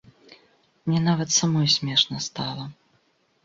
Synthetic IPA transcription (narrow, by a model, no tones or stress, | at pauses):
mnʲɛnavɐt̪samɔjsʲmʲɛʂnɐst̪alˠɐ